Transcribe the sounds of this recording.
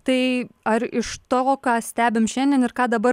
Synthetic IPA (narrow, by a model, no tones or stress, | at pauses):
t̪ɐɪɐɾɪʃt̪oːkɑːsʲt̪ʲæːbʲɪmʃʲɛnʲd̪ʲɛnɪɾkɑːd̪ɐbɐ